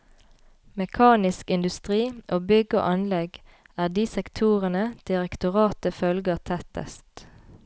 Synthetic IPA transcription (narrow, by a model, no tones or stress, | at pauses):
mɛkʰɑːnɪskɪnd̪ʉst̪ʁiːʔoːbʏɡəo̰ːʔɑnlɛɡ | æːʁd̪iːsɛkt̪ʰuːʁənəd̪̥ɪʁɛkt̪ʊʁɑːt̪əfœlɡəʁt̪ʰɛt̪ə̰st̪